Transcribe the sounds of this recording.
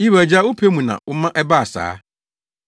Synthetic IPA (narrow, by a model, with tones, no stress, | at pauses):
i˦wæ˨d͡ʑa˦wʊ˦pʰe˦mũ˨nã̰˨wʔʊ˦mã˦ʔɛ˦ba˦a˨sa̰ː˦